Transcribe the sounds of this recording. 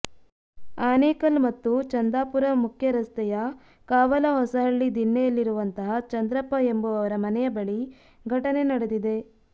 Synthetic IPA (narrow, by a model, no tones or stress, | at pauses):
aːneːkɐlmɐt̪ːut͡ʃɐnd̪aːpuɾɐmukʰjɐɾɐst̪ɐjɐ | kaːʋɐlɐɦɔsɐɦɐɭːid̪inːɛjɐlːiɾuʋɐnt̪ɐɦɐt͡ʃɐnd̪ɾɐpːɐembuɐʋɐɾɐmɐnɛjɐbɐɭi | ɡʱɐʈɐne̞nɐɽed̪id̪e̞